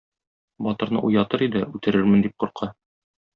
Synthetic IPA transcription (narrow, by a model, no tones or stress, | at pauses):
bɒt̪ɤ̆ɾnɤ̰ʔujɑt̪ɤɾid̪ɘʉt̪ɘ̆ɾɘɾmɘnd̪ip̚quɾqʰɑ